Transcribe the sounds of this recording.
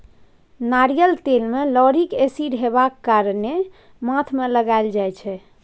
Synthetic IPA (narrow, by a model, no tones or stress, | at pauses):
naɾijəlt̪elmelɔɾikesiɖɦebakːaɾne | mat̪ʰmeləɡaeld͡ʒajt͡ʃʰɛ